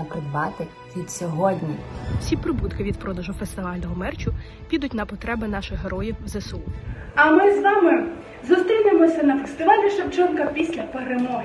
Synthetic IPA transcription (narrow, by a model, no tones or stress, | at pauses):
ɐpɾɪd̪bɑt̪ɪ | ʋʲid̪sʲɔɦɔdʲnʲiwsʲipɾɪbut̪kɪʋʲid̪̚pɾɔd̪ɐʒʊfest̪ɪʋɑlʲnɔɦɔmɛrt͡ʃʊ | pʲid̪ʊtʲnɐpɔt̪ɾɛbɪnɑʃɪxɦeɾɔjiwzesu | ɐmɪzʋɑmɪ | zʊst̪ɾʲinemɔsʲɐnɐfest̪ɪʋɑlʲiʃɐbd͡ʒɔnkɐpʲisʲlʲɐpeɾemɔɦʲ